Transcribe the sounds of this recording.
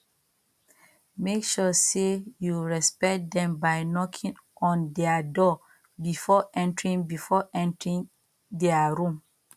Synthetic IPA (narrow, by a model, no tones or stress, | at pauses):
mekʃɔsejuɹɛspɛkt̚dɛ̃mbaɪnɔkʰĩŋ | ʔɔ̃ndɛadɔ | bifɔʔɛ̃ntɹĩŋbifɔʔɛ̃ntɹĩŋ | dɛaɹũm